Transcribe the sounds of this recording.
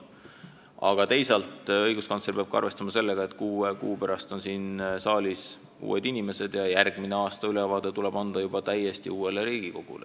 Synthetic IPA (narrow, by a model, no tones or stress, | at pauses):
ɑ̰ɡ̥ɑt̪e̞jsɑlt̪ˑɤjɡ̥uskɑnt̪serpeɑb̥̚kɑ̰rve̞st̪ɑmɑse̞lːeɡ̥ɑe̞t̪ːˑkuːekṵːpæɾɑst̪o̞nsiːnsɑːlʲis | ṵːe̞̰d̪inʲime̞se̞d̪̥jɑjærɡ̥mine̞ɑːst̪ɑylevɑːd̪̥e̞t̪ule̞b̥ɑnd̪̥ɑjub̥ɑt̪æje̞st̪iuːe̞leɾiːɡ̥iko̞ɡ̥ṵle